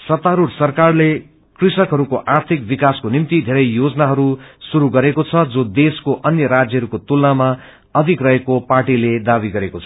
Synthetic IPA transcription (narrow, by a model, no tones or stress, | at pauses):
sʌt̪aɾursʌrkarle | krisʌkɦʌɾukoʔart̪ʰik̚bikaskonimt̪id̪ʱeɾʌjjod͡zʌnaɦʌɾusuɾuɡʌɾekot͡sʰʌd͡zod̪eskoʔʌnjʌɾad͡zjʌɦʌɾukot̪ulnama | ʌd̪ʱikrʌɦekoparʈiled̪abiɡʌɾekot͡sʰʌ̥